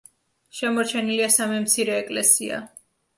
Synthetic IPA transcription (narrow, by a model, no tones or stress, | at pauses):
ʃɛmɔɾt͡ʃʰɛniliasamɛmt̪sʰiɾɛːkʼlɛsia̰